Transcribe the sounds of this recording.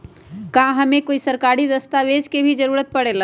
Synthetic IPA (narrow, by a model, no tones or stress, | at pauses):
kãɦɐmẽkoːisɐɾkaːɾid̪əst̪aʋed͡ʒkebʱid͡ʒəɾuːɾət̪̚pɐɽela